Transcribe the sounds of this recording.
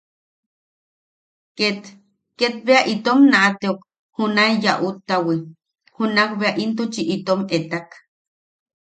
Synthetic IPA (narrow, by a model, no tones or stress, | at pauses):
ket̪ | ket̪̚beaʔit̪omnaʔat̪eok | hunaijaʔut̪ːawi | hunakbeaʔint̪ut͡ʃiʔit̪omet̪ak